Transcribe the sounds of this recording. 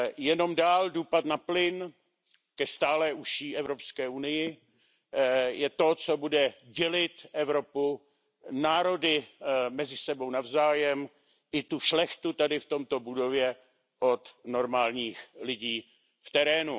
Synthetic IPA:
jɛno̞mdaːldopat̪naplɪn | kɛst̪aːlɛːʔuʃiːɛvɾo̞pskɛːʔunɪjɪ | jɛt̪o̞t͡sobudɛɟɛlɪt̪ʔɛvɾo̞pu | naːɾo̞dɪmɛzɪsɛbo̞wnavzaːjɛm | ʔɪt̪uʃlɛxt̪ut̪adɪft̪o̞mt̪o̞budo̞vjɛ | ʔo̞t̪no̞ɾmaːlɲiːxlɪɟiː | ft̪ɛɾɛːnu

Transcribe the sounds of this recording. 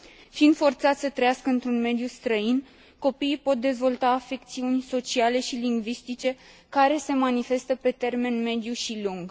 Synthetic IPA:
find̪fo̞rt̪sat̪sʲsət̪ɾəjaskəɨnt̪ɾunme̞d̪just̪ɾəin | ko̞piːpo̞t̪̚d̪e̞zvo̞lt̪aːfe̞k̚t̪siunʲso̞t͡ʃiale̞ʃiliŋɡvist̪it͡ʃe̞ | kaɾe̞se̞manife̞st̪əpe̞t̪e̞rme̞nme̞d̪juʃiluŋɡ

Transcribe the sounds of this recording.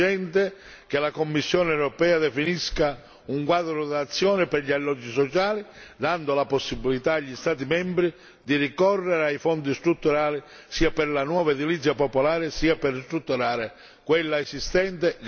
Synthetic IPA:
ɛnt̪e | k̟elakomːisːjɔːneɛwɾɔpɛːad̪ɛfiniska | uŋkwad̪ɾʊd̪at̪sːjɔːnɪpɛrɾʎialːɔd͡ʒːisɔt͡ʃaːlid̪and̪olaposːibilit̪aːʎːist̪aːt̪̬imɛmbɾi | d̪irikɔrːeɾeajfɔnd̪ist̪ɾut̪ːuɾaːli | siːapɪɾlanwɔːvaed̪ilit̪sːjapopolaːɾɪsiːaperst̪ɾut̪ːuɾaːɾe | kwelːaesist̪ɛnt̪e

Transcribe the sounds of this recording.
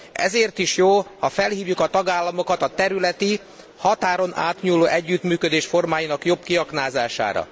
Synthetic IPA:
ɛ̰zeːrt̪iʃjoːhɒfɛlhiːvjukɒt̪ɒɡaːlːɒmo̞kɒt̪ɒt̪ɛɾylɛt̪i | hɒt̪aːɾo̞na̰ːt̪ɲuːlːoːʔɛɟːyt̪myːkød̪eːʃfo̞rmaːjinɒkjo̞bkiɒknaːzaːʃa̰ːɾɒ̰

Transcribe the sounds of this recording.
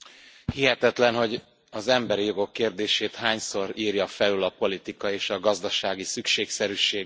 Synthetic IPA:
hiɦɛt̪ɛt̪lɛnɦo̞ɟ | ɒzɛmbɛɾijo̞ɡo̞kːeːrd̪eːʃeːt̪haːɲso̞ɾiːrjɒfɛlylɒpo̞lit̪ikɒeːʃɒɡɒzd̪ɒʃaːɡisykʃeːksɛɾyːʃeː

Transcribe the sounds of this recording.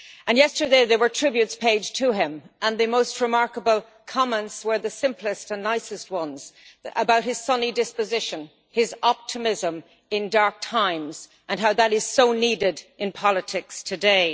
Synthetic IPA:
ə̃njɛstə˞deɪðə˞wə˞tʰɹ̥ɪbjʉtspʰeɪdd͡ʒ̥tʰɨɪ̃mʔə̃nðɨmoʊst̚ɹɨmɑɹkəbəlˠ | kʰɑmɛ̃ntswə˞ðɨsɪ̃mpləstə̃nːaɪsɨst̚wʌ̃nz̥ʔəbaʊt̚hɨz̥sʌnidɪspɨzɪʃə̃n | ɪzɑp̚tʰəmɪzə̃m | ɪ̃ndɑɹk̚tʰãɪ̃mz̥ | ʔə̃nɦaʊðəɾɪz̥soʊnidɪdʔɨ̃npʰɑlˠətʰɪkstʰɨdeɪ

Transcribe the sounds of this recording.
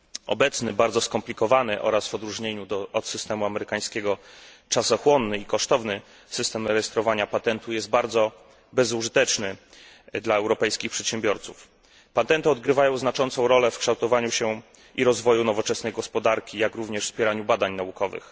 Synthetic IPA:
ɔ̰bɛt̪snɘbaɾd̪zɔskɔmplʲikɔvanɘʔɔ̰ɾasvɔd̪ɾuʐɲeɲud̪ɔɔt̪sɘst̪ɛmuamɛɾɘkaj̃skʲɛɡɔt͡ʂasɔxwɔnːɘikɔʂt̪ɔvnɘ | sɘst̪ɛmɾɛjɛst̪ɾɔvaɲapat̪ɛnt̪ujɛst̪̚baɾd̪zɔ | bɛzuʐɘt̪ɛt͡ʂnɘ | d̪laɛwɾɔpɛjskʲixpʂɛt̪ɕɛ̃mbʲjɔɾt̪suf | pat̪ɛnt̪ɘɔd̪̚ɡɾɘvajɔ̃w̃znat͡ʂɔnt̪sɔ̃w̃ɾɔlɛfkʂt̪awt̪ɔvaɲuɕɛ | ʔiɾɔzvɔjunɔvɔt͡ʂɛsnɛjɡɔspɔd̪aɾkʲijakɾuvɲɛʂfspʲjɛɾaɲubad̪aɲnaukɔvɘ̰x

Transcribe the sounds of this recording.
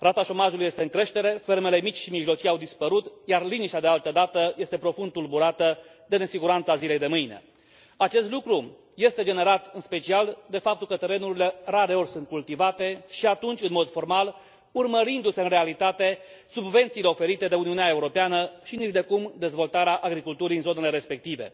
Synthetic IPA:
rat̪aʃo̞maʒuluje̞st̪e̞ɨŋkɾe̞ʃt̪e̞ɾe̞fe̞ɾme̞le̞mit͡ʃʲʃimiʒlo̞t͡ʃijawd̪ispəɾut̪jarliniʃt̪ʲad̪e̞alt̪əd̪at̪əje̞st̪e̞pɾo̞fund̪t̪ulbuɾat̪ə | d̪e̞ne̞siɡuɾant̪sazile̞jd̪e̞mɨjne̞̰ | at͡ʃe̞st̪lukɾu | je̞st̪e̞d͡ʒe̞ne̞ɾat̪ɨnspe̞t͡ʃiald̪e̞fap̚t̪ulkət̪e̞ɾe̞nuɾile̞raɾe̞o̞rʲsunt̪̚kult̪ivat̪e̞ʃiat̪unt͡ʃʲɨnmo̞d̪fo̞rmal | urməɾind̪use̞ɨnre̞alit̪at̪e̞ | subve̞nt̪siːle̞o̞fe̞ɾit̪e̞d̪e̞uniuneae̞uɾo̞peanəʃiniʒd̪e̞kumd̪e̞zvo̞lt̪aɾeaʔaɡɾikult̪uɾiɨnzo̞ne̞le̞ɾe̞spe̞k̚t̪ive̞̰

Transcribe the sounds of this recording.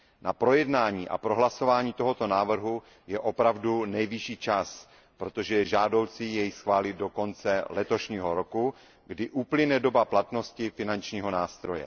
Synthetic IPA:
napɾo̞jɛdnaːɲiːʔa̰pɾo̞ɦlaso̞vaːɲiːt̪o̞ɦo̞t̪o̞naːvr̩ɦu | jɛʔopɾavdunɛjvɪʃiːt͡ʃas | pɾo̞t̪o̞ʒɛjɛʒaːdo̞wt͡sijɛjsxvaːlɪdo̞ko̞nt͡sɛlɛt̪o̞ʃɲiːɦo̞ɾo̞ku | ɡdɪʔuplɪnɛdo̞baplat̪no̞scɪfɪnant͡ʃɲiːɦo̞naːst̪ɾo̞jɛ̰

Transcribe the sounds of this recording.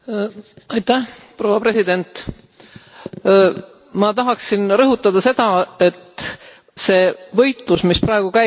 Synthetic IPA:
ɑjt̪ːˑæh | pro̞wɑpre̞sid̪e̞nt̪ˑ | mɑt̪ɑɦɑksinrɤɦut̪ːˑɑd̪̥ɑse̞d̪̥ɑe̞t̪ː | se̞ːvɤ̞jt̪ˑlusmisprɑe̞ɡ̥ukæ

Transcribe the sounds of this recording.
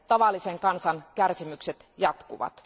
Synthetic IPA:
t̪ɑʋɑlːˑiseŋkɑnsɑnkærsimykset̪jɑt̪kuʋɑ̰t̪

